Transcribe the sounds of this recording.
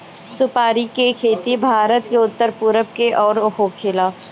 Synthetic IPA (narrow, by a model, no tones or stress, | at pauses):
sʊpaːɾikekʰeːt̪ibʱaːɾət̪keʊt̪ːəɾpʊɾəb̚keʔɔːɾhokʰelaː